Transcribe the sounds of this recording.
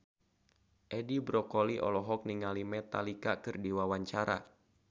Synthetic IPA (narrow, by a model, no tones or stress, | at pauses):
ʔɛdibɾɔkɔliʔɔ̰lɔɦɔk̚niŋalimɛt̪alikakɨrdiwawaɲt͡ʃaɾa̰